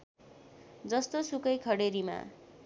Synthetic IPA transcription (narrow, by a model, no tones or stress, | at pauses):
d͡zʌst̪osukʌjkʰʌɽeɾima̰